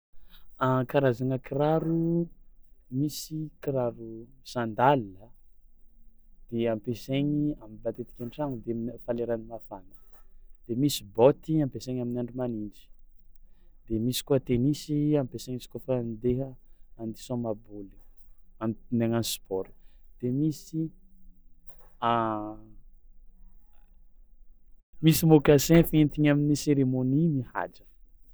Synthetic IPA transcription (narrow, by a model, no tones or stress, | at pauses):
akaɾazaŋəkiɾaɾu | misikiɾaɾusand̪alə | d̪̥eampeseɲiamibat̪et̪i̥kʲaɳʈ͡ʂaŋud̪eamfaleɾanimafanə̥d̪̥emisibɔt̪iampeseɲaminaɳɖ͡ʐumaniɳɖ͡ʐi̥ | d̪̥emisi̥kuat̪enisiampesaɲiskofand̪eɦəand̪isõmabulianneŋanspɔɾi̥d̪̥emisi | a | misimokasẽfent̪iɲaminiseɾemonimiha̰d͡ʒə